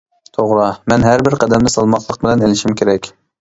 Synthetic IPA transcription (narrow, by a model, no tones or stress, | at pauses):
t̪ʰoʁɾɑmɛnɦæɾbɪɾqʰɛd̪ɛmd̪ɪsɑlˠmɑt̪ʰlˠəq̚bɪlɛnelɪʃimkʲʰeɾɛkʲ